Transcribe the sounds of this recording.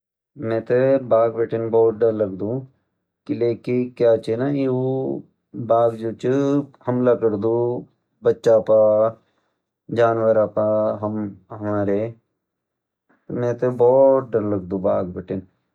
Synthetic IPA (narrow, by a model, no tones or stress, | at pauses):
mɛ̃ːt̪ebaːɡbɛːʈɪnbɔːt̪̚ɖəɾləɡd̪ũ | kileːkikjaːt͡ʃenaːo | baːɡd͡ʒuːt͡ʃəhɐmlakəɽd̪ũ | bətːʃapa | d͡ʒaːnʋəɾapaɦəmɦəmaːɾe | t̪mɛ̃ːt̪ebɔːt̪̚ɖəɾləɡd̪ũːbaːɡbɛːʈɪn